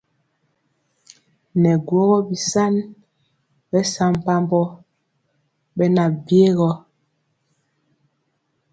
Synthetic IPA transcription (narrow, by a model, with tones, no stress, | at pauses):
nɛ˨ɡwo˦ɣɔ˦bi˨sa˦n | bɛ˦sa˦m˨pa˦mbɔ˦ | bɛ˦na˨bje˦ɣɔ˦